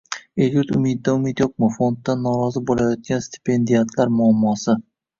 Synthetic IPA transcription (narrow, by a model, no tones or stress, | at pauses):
elʲut̪ʊmɪd̪̚ːaʊmet̪joq̚mɪfo̞nt̪ːanːɒɾɒzɪbolajɒt̪̚ɡʲanst̪ʰi̥pʰe̞nd̪ijat̪ʰlaɾmʊamːɒsɪ